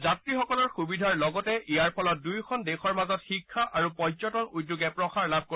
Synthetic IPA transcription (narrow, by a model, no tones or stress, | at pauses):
zatɹixɔkɔlɔɹxubidʱaɹlɔɡɔtɛʔijaɹpʰɔlɔt̚dujkʰɔndexɔɹmazɔtxikʰːaʔaɹupɔzɔtɔnudːuɡɛpɹɔxaɹlab̚ʱko